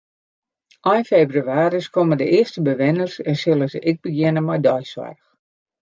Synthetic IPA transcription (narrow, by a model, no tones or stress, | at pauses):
ʔɔjnfeːbryaːɾiskʰɔmədəʔɪəstəbəʋɪnərsɛnsɪlˠəzəʔɪɡ̚bəɡjɪnəmɔjdɔjsʋa̰rx